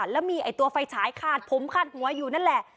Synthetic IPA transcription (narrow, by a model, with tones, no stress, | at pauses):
lɛː˦˥wmiː˧ʔa˨˩jt̪u˧ɐfa˧jt͡ɕʰaː˩˦jkʰaː˧˩n̚pʰo˨˦mkʰa˧˥˩nhu˩˦ɐjuː˨˩na˥˩nlɛ˨˩ʔ